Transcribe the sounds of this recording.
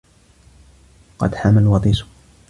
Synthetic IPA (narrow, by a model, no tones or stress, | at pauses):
qɑ̰d̪ħamalwɑt̪ˤiːsʊ̥